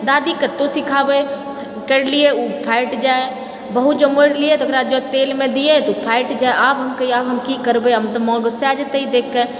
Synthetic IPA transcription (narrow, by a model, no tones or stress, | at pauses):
d̪aːd̪ikət̪osikʰaːbe | kəɽlieupʰaɪʈd͡ʒae | bəɦut̪̚d͡ʒəməɽliet̪okʰɾaːd͡ʒot̪eːlmẽd̪ijet̪opʰaɪʈd͡ʒaːeʔaːbɦɐmkɐiaːbɦɐmkikəɾbeɐmt̪omɔ̃ːɡəseaːd͡ʒət̪eid̪eːkʰːe